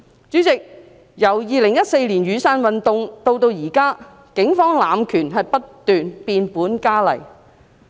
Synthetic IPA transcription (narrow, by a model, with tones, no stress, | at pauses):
t͡syː˨˥t͡sɪ˨k̚ | jɐ˨˩wjiː˨˧lɪ˨˩ŋjɐ˥t̚se˧jliː˨˩njyː˨˧saː˧nwɐ˨nt̪ʊ˨ŋt̪o˧wt̪o˧wjiː˨˩kaː˥ | kɪ˨˧˥ŋfɔː˥ŋlaː˨mkʰyː˨˩nɦɐ˨jpɐ˥tt̪yː˨npiː˧npuː˨˥nkaː˥lɐ̰˨˩j